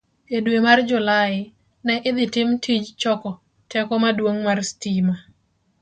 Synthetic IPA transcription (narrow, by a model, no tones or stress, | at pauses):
edwemard͡ʒʊlaɪ | nɛʔɪd̪ɪtɪmtʰid͡ʒt͡ʃɔkɔ | tɛkɔmadwoŋmarstima